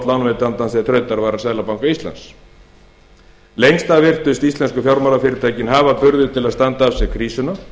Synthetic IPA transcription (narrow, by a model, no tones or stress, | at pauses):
t̪lawnvet̪ant̪ansθɛt̪ʰɾœɥt̪aɾvaɾansaðlapawŋkaist̪la̰ns | lejŋst̪avɪr̥t̪ʏst̪ist̪ɛnskʏfjawɾmalafɪɾɪɾt̪ʰaːjcɪnɦaːvapʏɾðʏðt̪ʰɪlaðst̪ant̪aafsɛɣkʰɾiːsʏna